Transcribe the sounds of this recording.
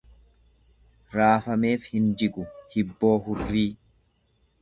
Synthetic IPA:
ɾaːfɐme̞ːfhɪnd͡ʒɪkʼʊhɪbːo̞ːɦʊrːiː

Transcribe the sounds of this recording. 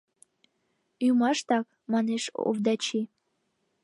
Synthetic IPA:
ymɑʃt̪ɑk | mɑneʃṵvd̪ɑt͡ɕi

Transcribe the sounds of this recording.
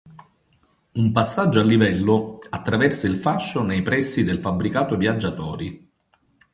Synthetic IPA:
umpasːad͡ʒːoalːivɛlːoat̪ːɾavɛrseilfaʃːonejpɾɛsːid̪elfabɾikaːt̪ovjad͡ʒːat̪ɔːɾi

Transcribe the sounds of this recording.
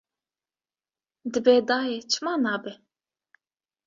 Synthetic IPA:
d̪ɨbeːd̪aːjet͡ʃʰɨmaːnaːbɛ

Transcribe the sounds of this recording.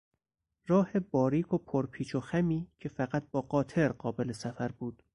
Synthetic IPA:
ɾɒːhe̞bɒːɾiːkʰo̞pʰoɾpʰiːt͡ʃʰoxæmiːcʰe̞fæɢæt̪̚bɒːɢɒːt̪ʰe̞ɾɢɒːbe̞lesæfæɾbuːd̪̥

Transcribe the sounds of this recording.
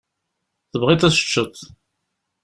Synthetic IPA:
θəvʁit̪æsə̥t͡ʃːət̪ˤ

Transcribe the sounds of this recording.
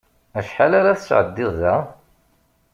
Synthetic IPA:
æʃħalaɾaθəsʕə̰d̪ːɪðˤæ

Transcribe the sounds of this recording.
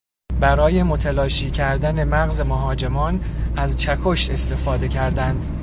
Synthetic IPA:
bæɾɒːje̞mot̪ʰælɒːʃiːcʰæɾd̪æne̞mæɣzemoɦɒːd͡ʒe̞mɒːnæzt͡ʃʰækʰo̞ʃt̪e̞st̪e̞fɒːd̪e̞cʰæɾd̪ænd̪

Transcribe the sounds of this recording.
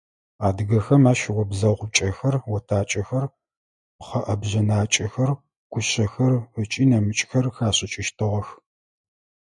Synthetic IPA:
aːdɨɣɐxɐmaːʃɪwɔbzɐʁʷʊt͡ʃʼɐxɐrwɔtʰaːt͡ʃʼɐxɐr | χɐʔɐbʑɐnaːt͡ʃʼɐxɐr | ɡ̥ʷʊɕɐxɐrət͡ʃʼiːnɐmɨt͡ʃʼxɐrxaːɕʼɪt͡ʃʼɪʃtʰɨʁɐx

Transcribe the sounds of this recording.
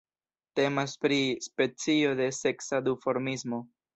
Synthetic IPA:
te̞maspɾispe̞t͡sio̞de̞se̞ksadufo̞ɾmismo̞

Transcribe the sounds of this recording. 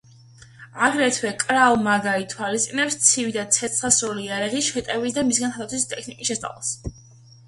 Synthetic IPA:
aɡɾɛt̪ʰwɛkʼɾalmaɡait̪ʰwalist̪ʼinɛpst̪sʰivid̪at̪sʰɛt̪sʰχasɾɔliɛɾaʁiʃɛt̪ʼɛvis̬d̪amisɡant̪ʰad̪at̪sʰwist̪ʼɛkʰnikʼisʃɛst̪ʼa̰lˠa̰s

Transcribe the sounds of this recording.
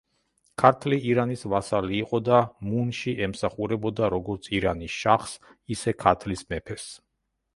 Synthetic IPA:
kʰaɾt̪ʰliːɾanisvasaliːqʼɔd̪amunʃiʔɛmsaχuɾɛbɔd̪aɾɔɡɔɾt̪sʰiɾanisʃaχsisɛkʰaɾt̪ʰlismɛpʰɛs

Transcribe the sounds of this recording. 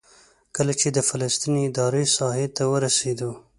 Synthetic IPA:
kəlat͡ʃed̪əfalast̪iniɪd̪ɑɾesɑɦet̪awəɾased̪o

